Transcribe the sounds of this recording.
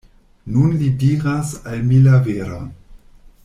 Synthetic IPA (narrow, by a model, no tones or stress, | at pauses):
nunlidiʁasalmilaveɾa̰